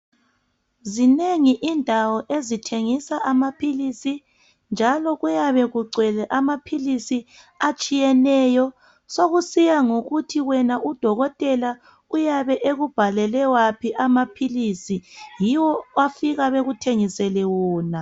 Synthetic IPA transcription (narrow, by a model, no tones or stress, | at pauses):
zineŋiʔindʱawɔʔezitʰeŋisaʔamapʰilisi | nd͡ʒʱalɔɣujaβɛɣuǀwɛlɛʔamapʰilisi | at͡ʃʼijɛnɛjɔ | soɣusijaŋoɣutʰiwɛnaʔud̥ʱɔɣɔtʼɛla | ujaβɛʔeɣub̥ʱalɛlɛwapʰiʔamapʰilisijiwɔafiɣaβeɣutʰeŋisɛlɛwɔːna